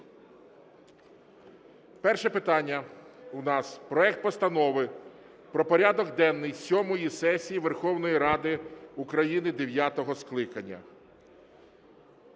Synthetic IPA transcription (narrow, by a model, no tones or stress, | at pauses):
pɛrʃɛpɪt̪ɑnʲːɐunɑspɾɔɛk̚t̪̚pɔst̪ɐnɔʋɪ | pɾɔpɔɾʲad̪ɔɡd̪ɛnːɪjsʲɔmɔjisɛsʲijiʋerxɔwnɔjiɾɑd̪ɪukɾɐjinɪd̪eʋʲjat̪ɔɦɔsklˠɪkɐnʲːɐ̰